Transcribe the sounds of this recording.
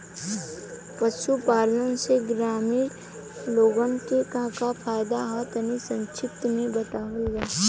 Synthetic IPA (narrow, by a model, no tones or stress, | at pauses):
pəʃupaːlənseɡɾaːmiːɾ | loːɡənkekãkapʰaːjd̪aɦat̪ənisə̃nt͡ʃʰɪt̪mẽbət̪aːʋeɡaː